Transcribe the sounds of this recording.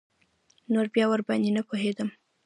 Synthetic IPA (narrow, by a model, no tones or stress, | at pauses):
noɾbjɑwəɾbɑnd̪inapoɦed̪əm